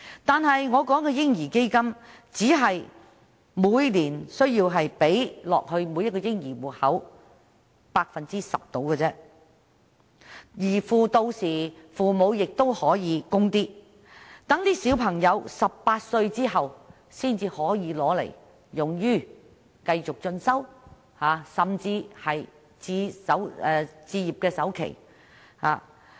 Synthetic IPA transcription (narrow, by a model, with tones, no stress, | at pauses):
t̪aː˨nɦɐ˨jŋɔː˨˧kɔː˨˥ŋkɔː˧jɪ˥ŋjiː˨˩ke˥jkɐ˥mt͡siː˨˥ɦɐ˨j | muː˨˧jliː˨˩nsɵ˥ɥjiː˧wɦɐ˨jpe˨˥jlɔ̰ː˨k̚hɵ˧ɥmu˨˧jɐ˥t̚kɔ˧jɪ˥ŋjiː˨˩wuː˨˩t̚hɐ˨˥w | paː˧k̚fɐ˨nt͡siː˥sɐ̰˨p̚t̪o˨˥wkəː˧t͡sɛː˥ | jiː˨˩fuː˨t̪o˧wsiː˨˩fuː˨mo˨˧wjɪ˨k̚t̪o˥whɔː˨˥jiː˨˧kʊ˥ŋt̪iː˥ | t̪ɐ˨˥ŋliː˥si˨˥wpʰɐ˨˩ŋjɐ˨˧wsɐ˨ppaː˧t̚sɵ˧ɥt͡siː˥ɦɐ˨w | siː˥nt͡siː˧hɔː˨˥jiː˨˧lɔː˨˥lḛ˨˩j | jʊ˨ŋjyː˥˩ | kɐ˧jt͡sʊ˨k̚t͡ʃɵ˧nsɐ˥w | haː˨˧sɐ˨mt͡siː˧hɐ˨j | t͡siː˧sɐ˨˥wɛː˧t͡siː˧jiː˨˩p̚kɛː˧sɐ˨˥wkʰḛ˨˩j | ha̰ː˨˩